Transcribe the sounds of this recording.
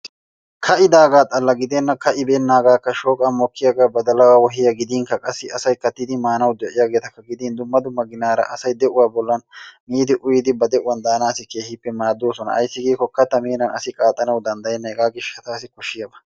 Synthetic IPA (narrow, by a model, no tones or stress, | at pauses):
kʰɐʔɪd̪aːɡaːt̪ʼɐlːɐɡɪd̪ɛnːɐkɐʔɪbeːnːaːɡaːkːɐʃoːkʼaːmɔkːɪjaɡaːbɐd̪ɐlɐwawɔɦɪjɐɡɪd̪iːŋkɐkʼɐsːɪɐsɐjkɐt̪ːɪd̪ɪmaːnɐwd̪ɛʔɪjaːɡe̞ːt̪ɐkːɐɡɪd̪iːnd̪ʊmːɐd̪ʊmːɐɡɪnaːɾɐ̰ʔɐsɐjd̪ɛʔʊwaːbɔlːɐnmiːd̪ɪʔʊjɪd̪ɪbɐd̪ɛʔʊwɐnd̪aːnaːsɪke̞ːhɪpːɛmaːd̪oːsɔnɐ̰ʔɐ̰jsːɪɡeːkɔkːɐt̪ɐmeːnɐnɐ̰sɪkʼaːt̪ʼːɐnɐwd̪ɐnd̪ɐjɛnːɐɛɡaːɡɪʃːɐt̪aːsɪkɔʃːɪjɐbɐ̥